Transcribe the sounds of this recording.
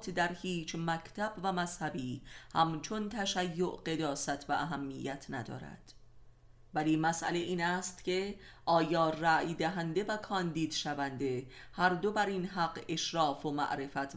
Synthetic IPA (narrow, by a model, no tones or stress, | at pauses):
t̪ʰd̪æɾhiːt͡ʃʰmæcʰt̪ʰæbvæmæshæbiːhæmt͡ʃʰo̞nt̪ʰæʃæjːoʔɢe̞d̪ɒːsæt̪ʰvæʔːɦæmːijːæt̪ʰnæd̪ɒ̰ːɾæ̰d̪̥ | væliːmæsʔæ̰leʔiːnæːst̪cʰe̞ | ʔɒːjɒːræjd̪æɦænd̪e̞vækʰɒːnd̪iːd̪̥ʃævænd̪e̞hæɾd̪o̞bæɾinɦæɡe̞ʃɾɒːfomæ̰ʔɾe̞fæt̪ʰ